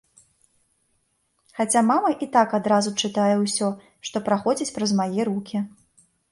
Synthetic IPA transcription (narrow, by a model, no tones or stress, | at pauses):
xat͡sʲamamɐʔit̪akad̪ɾazut͡ʂɨt̪ajɛwsʲɔ | ʂt̪ɔpɾaxɔd͡zʲit͡sʲpɾɐzmajɛɾukʲi